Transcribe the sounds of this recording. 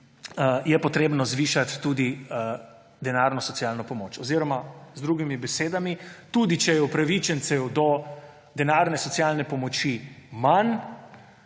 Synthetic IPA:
jɛpɔt̪ɾeːbnɔzʋiːʃat̪ːud̪i | d̪ɛnaɾnɔsɔt̪jalnɔpɔmoːt͡ʃɔziɾɔmazd̪ɾuːɡimibɛseːd̪amit̪ud̪it͡ʃɛjɛupɾaʋit͡ʃɛnt̪sɛd̪o | d̪ɛnaːɾnɛsɔt̪sjalnɛpɔmɔt͡ʃiman

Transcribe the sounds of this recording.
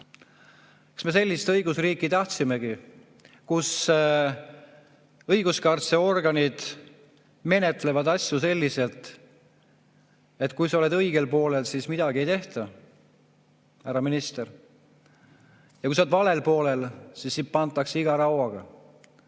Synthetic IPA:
kɑ̥sme̞se̞lʲːist̪ɤjɡusriːkːˑit̪ɑht̪sime̞ɡi | kus | ɤjɡ̥uskɑrt̪se̞o̞rɡɑnid̪̥ | me̞ne̞t̪ːˑle̞vɑd̪ɑsʲjuse̞lʲːise̞lt̪ˑ | e̞t̪ˑkujsɑo̞le̞d̪ɤjɡe̞lpo̞ːle̞lsismid̪̥ɑɡ̥ie̞jt̪e̞ht̪ɑ | æɾɑminist̪er | jɑkujsod̪vɑle̞lpo̞ːle̞lsisːip̪̚pɑnt̪ːˑɑkseiɡ̥ɑɾɑwɑɡ̥ɑ

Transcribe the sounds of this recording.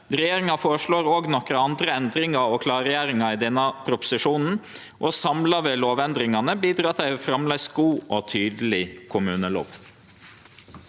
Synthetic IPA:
ɾɛjeːɾɪŋɑfoːɾəʂɭoːɾoːɡnɔkɾəɑnd̪ɾəɛnd̪ɾɪŋɑɔkʰlɑːɾɪjæːɾɪŋɑɪd̪ɛnːɑpʰɾʊpʊ̥sɪʂuːnn̩ | ʔɔsɑmlɑʋeːloːʋɛnd̪ɾɪŋɑnəbiːd̪ɾɑːt̪ʰæɪfɾɑmlɛɡsɡuːʔɔt̪ʰyːd̪əl̩ɪkʰʊmʉːnəlo̰ːʋ

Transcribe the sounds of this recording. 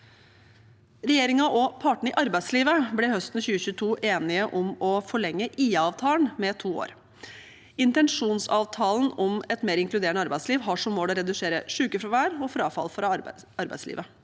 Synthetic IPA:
ɾɛjeːɾɪŋɑʔɔpʰɑːʈɳ̩ɪʔɑɾbæɪsliːʋəblɛɦœst̪n̩çʉːəçʉːt̪ʰuːʔeːnɪəʔɔmɔfɔɭɛŋːəʔiːɑʋt̪ʰɑːlənmɛt̪ʰuːo̰ːɾ | ɪnt̪ɛnʂuːnsɑːʋt̪ʰɑːlən̩ɔmɛt̪meːɾɪŋklʉd̪eːɳəɑɾbæɪsliːʋɦɑʂɔmːoːlɔɾɛd̪ʉʂeːɾə̰ʂʉːkəfɾɑʋæːɾɔfɾɑːfɑ̰lfɔɾɑ | ɑɾbæ̰ɪslḭːʋə

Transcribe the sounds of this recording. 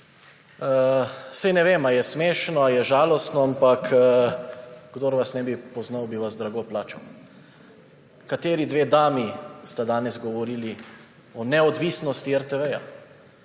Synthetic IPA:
sɛjnɛʋeːmajɛsmeːʃnɔajɛʒaːlɔst̪nɔampak | ɡd̪oːɾʋasnɛbipɔznawbiʋazd̪ɾaɡoplaːt͡ʃɐw | kat̪eːɾid̪ʋeːd̪aːmist̪ad̪aːnɛzɡɔʋɔɾiːli | ɔnɛɔd̪ʋisnɔst̪iɛɾt̪ɛʋɛja̰

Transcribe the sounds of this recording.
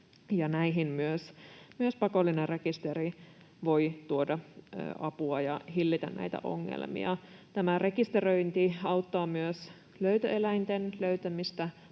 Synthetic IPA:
jɑnæiɦinmyøsmyøspɑkolːinerrekist̪eri | ʋo̞it̪uodɑ̰ʔɑpuɑjɑhilːit̪ænnæ̰it̪æ̰ʔo̞̰ŋːḛlmḭɑt̪æmære̞kist̪erøint̪iɑut̪ːɑːmyøs | løyt̪øelæint̪enløyt̪æmist̪æ

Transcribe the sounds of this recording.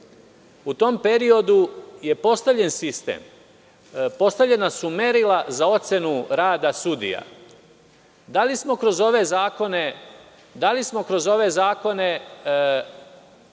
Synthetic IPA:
ut̪o̞mpe̞ɾio̞d̪uje̞po̞st̪aʋʎe̞nsist̪ḛːm | po̞st̪avʎe̞nasume̞ɾilazao̞t̪se̞nuɾaːd̪asud̪ḭja̰ | d̪alismo̞kɾo̞zo̞ʋe̞zaːko̞ne̞ | d̪alismo̞kɾo̞zo̞ʋe̞zaːko̞ne̞

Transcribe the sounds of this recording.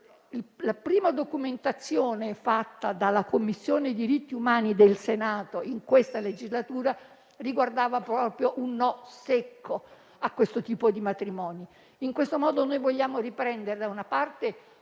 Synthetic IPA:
ilapɾiːmad̪okument̪at̪sːjoːnefat̪ːad̪alːakomːisːjoːned̪iɾit̪ːiumaːnid̪elsenaːt̪oiŋkwest̪aled͡ʒizlat̪uːɾa | riɡward̪aːvapɾɔːpɾjoʔunːɔsekʰːo | akːwest̪ot̪iːpod̪imat̪ɾimɔːni | iŋkwest̪omɔːd̪onojvoʎːaːmoripɾɛnd̪eɾed̪aunapart̪e

